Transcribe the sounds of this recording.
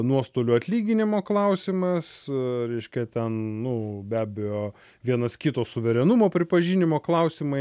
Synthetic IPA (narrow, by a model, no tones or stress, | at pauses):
nuɔst̪oːlʲuɐt̪ʲlʲiːɡʲɪnʲɪmoːklˠɐʊsʲɪmɐsɾʲɛɪʃʲkʲɛt̪ʲɛnnʊbʲæːbʲɛjoː | ʋʲiɛnɐskʲɪt̪oːsʊʋʲɛɾʲɛnʊmoːpʲɾʲɪpɐʒʲinʲɪmoːklˠɐʊsʲɪmɐɪ